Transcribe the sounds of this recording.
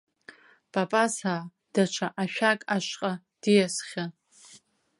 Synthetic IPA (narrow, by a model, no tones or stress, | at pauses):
pʼapʼasaː | d̥at͡ʃʷʰaʔaʃᶣakʼaʃʷqʼa | d̥ijasχʲa